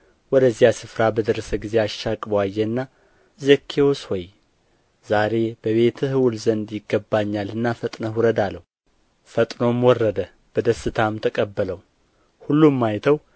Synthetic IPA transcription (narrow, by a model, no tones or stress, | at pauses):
wɔd̪əzːijasɨfɾabəd̪əɾəsəɡize̞aʃːakʼbəwajːɛnːa | zəkʰːewoswɔj | zaɾe̞bəβe̞t̪ʰhɨwʊlzənd̪jɪɡːəbːaɲːalɨnːafət̪ʼnəɦuɾəd̪alːəwu | fət̪ʼno̞mwɔrːəd̪ə | b̥əd̪əsːɨt̪ʰamt̪ʰəkʼəbːələw | hulːumːajt̪ʰəw